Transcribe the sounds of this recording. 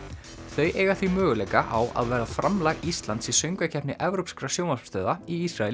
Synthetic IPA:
θœjʔeːjɣaθvimœːɣʏlejkaʔawʔa̰ðvɛːɾafɾʔamlaɣist̪lant̪sisœɥŋkvacʰɛpnɪʔɛvɾowpskɾasjowmast̪œːðaiisɾaɛl

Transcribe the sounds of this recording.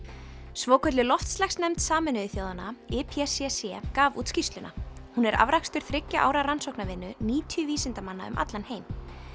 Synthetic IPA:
svɔːkʰœt̪lɪlɔft̪slɛxsnɛmt̪saːmɛnʏɪθjoːwðanaɛpʰiɛsɛsɛkaːvṵːt̪scist̪lʏna̰hunɛɾʔa̰vɾakst̪ʏɾ̥θɾɪcːaʔaːwɾaɾansɔwknavɪnːʏniːt̪ʰjʏviːsɪnt̪amanːa̰ʏ̰mʔa̰t̪lanheːjm

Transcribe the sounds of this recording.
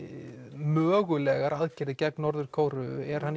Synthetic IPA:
mœːɣʏlɛɣaɾaðcɪɾðɪcɛknɔɾðʏɾ̥kʰoːwɾʏɛɾ̥han

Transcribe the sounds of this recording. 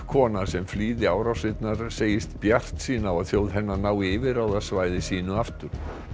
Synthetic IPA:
kʰɔːnasɛmfliːðɪaːwɾawsɪt̪naɾ̥seːjɪst̪pjar̥t̪siːnaawaðθjowðɦɛnːanaːwɪvɪɾawðaðsvaːjðɪsiːnʏaft̪ʏɾ̥

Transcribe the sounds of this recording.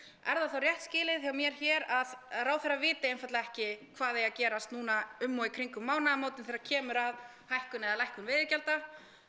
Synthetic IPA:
ɛɾðaθowrjɛht̪scɪːlɪθjawmjɛɾ̥çɛːɾaðraːwθɛrːavɪːt̪ɪejnfat̪laɛhcɪkʰvaːðejacɛːɾast̪nuːnaʏmːɔikʰɾiŋkʏmːaːwnamoːwt̪ɪnθɛɾacʰɛːmʏɾað | hajhkʏnɛðalajhkʏnvɪːðɪɾcɛlt̪a

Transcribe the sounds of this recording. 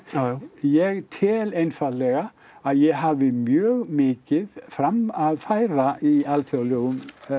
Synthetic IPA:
jɛɣt̪ʰɪlejnfaðlɛɣa | aðjɛɣɦavɪmjœːɣmɪːcɪðfɾamaðfaːjɾaialθjawloɣʏm

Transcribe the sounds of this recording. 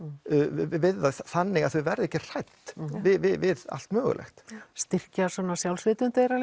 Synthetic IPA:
vɪððaθanːɪɣaθvʏvɛɾðɪɛcːɪr̥ajt̪vɪvɪvɪða̰l̥t̪mœːɣʏ̰lʔɛ̰xt̪st̪ɪr̥casɔːnasjawlsvɪːt̪ʏnt̪ejɾal

